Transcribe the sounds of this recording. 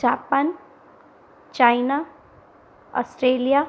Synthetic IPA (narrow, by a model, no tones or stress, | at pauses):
apan | t͡ʃajna | ɔ̰sʈɾelija